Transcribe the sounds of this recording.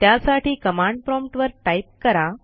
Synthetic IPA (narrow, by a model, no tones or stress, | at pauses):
t̪jasaʈiːkəmãɳɖpɾɔmʈʋəɾʈajp̚kəɾa